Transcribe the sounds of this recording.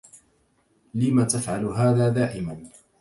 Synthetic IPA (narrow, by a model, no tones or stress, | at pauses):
lɪmat̪afʕalɦaːðaːd̪aːʕɪman